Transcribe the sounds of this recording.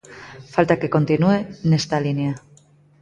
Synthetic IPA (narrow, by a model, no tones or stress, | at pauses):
falt̪ake̞ko̞nt̪inuene̞st̪alinja